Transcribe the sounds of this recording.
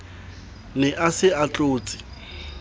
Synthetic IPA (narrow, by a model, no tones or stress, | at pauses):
nɛʔasɪat͡ɬʼoːt͡sʼɪ̥